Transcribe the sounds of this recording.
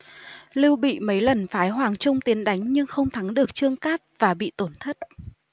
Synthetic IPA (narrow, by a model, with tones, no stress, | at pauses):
li˧wɓḭ˧˨mə˨˦jlə˨˩nfaː˨˦jɦwaː˨˩ŋt͡ɕʊ˧ŋ͡mt̪i˨˦ənɗa˨˦jŋ̟ɲɨ˧ŋxə˧wŋ͡mt̪ʰa˨˦ŋɗɨ˨˩ək̚t͡ɕɨ˧əŋkaː˦˥p̚v̥aː˨˩ɓḭ˧˨t̪o˧˩nt̪ʰə˦˥t̚